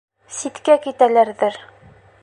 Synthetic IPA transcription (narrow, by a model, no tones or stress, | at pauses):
sit̪kækit̪ælæɾðɘɾ